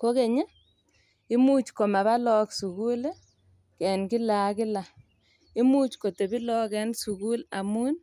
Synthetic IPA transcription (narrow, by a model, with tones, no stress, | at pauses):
ko˦ke˨ɲa˦ | ɪ˦mu˦t͡ʃko˨ma˨βa˦lɔ˦ksu˨ku˦le˦ | kɛ˨nkɪ˦la˨kɪ˦la˨ | i˦mu˦t͡ʃko˨te˨bi˦lɔ˦kɛ˦nsu˨ku˦la˨mu˦n